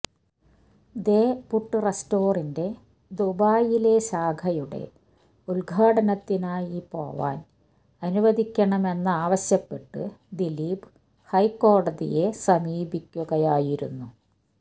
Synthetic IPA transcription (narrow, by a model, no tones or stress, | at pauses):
d̪e̞ːpuʈːɨresto̞ːrinde̞ | d̪ubaːjile̞ɕaːɡʱɐjuɽe̞̰ | ulɡʱaːɽɐnɐt̪ːinaːjipo̞̰ːʋa̰ːn | ɐnuʋɐd̪ʱikʲːɐɳɐme̞nːɐaːʋɐɕjɐpːe̞ʈːɨ̰d̪iliːbɨ | hɐjko̞ːɽɐðḭje̞sɐmiːbikʲːuɣɐjaːjiɾṵnːu